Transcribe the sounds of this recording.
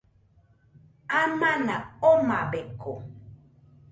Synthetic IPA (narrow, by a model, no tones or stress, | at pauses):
amanaomabeko